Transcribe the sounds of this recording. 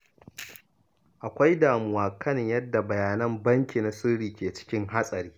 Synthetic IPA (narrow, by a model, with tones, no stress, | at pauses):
ʔa˨kʷa˦jdaː˨mʊ˨waː˨kɐ˦nɪ˨ɲjɐ˦dːa˨bɐ˨jaː˨nɐ˦mbɐ˦ŋkʲiː˨na˨sʊ˦ɽiː˨kʲeː˨t͡ʃɪ̥˦kʲɪ˦ŋɦa˦sʼɐ˨ɾiː˦